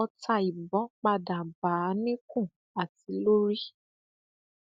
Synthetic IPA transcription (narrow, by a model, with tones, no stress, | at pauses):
ɔ˧ta˧i˨bɔ̃˨˦k͡pa˧da˨ba˨˦nĩ˦kũ˦˨ | a˨ti˨˧˦lo˦ɾi˦